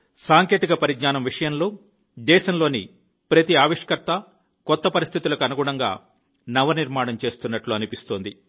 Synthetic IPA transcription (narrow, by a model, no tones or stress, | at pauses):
saːŋke̞ːt̪ikɐpɐɾiɡnaːnɐmʋiʂɐjɐmlo̞ː | d̪ɛːʃɐmlo̞ːni | pɾɐt̪iaːʋiʂɐ̥kɐɾt̪ɐ | kɔt̪ːɐpɐɾist̪ʰit̪ulɐkuɐnuɡuɳɐŋɡa̰ː | nɐʋɐniɾmaːɳɐmt͡ʃe̞ːst̪unːɐʈluɐnipist̪o̞ːnd̪i